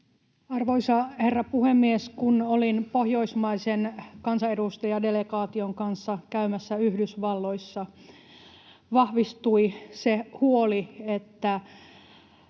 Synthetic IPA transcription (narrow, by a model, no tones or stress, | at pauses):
ɑrʋoisɑherːɑpuhemːieskunolinpohjo̞ismɑisenkɑnsɑedust̪ɑjɑdelekɑːt̪ioŋkɑnsːɑkæymæsːæyhdysʋɑlːoisːɑ | ʋɑhʋist̪uisehuoliet̪ːæ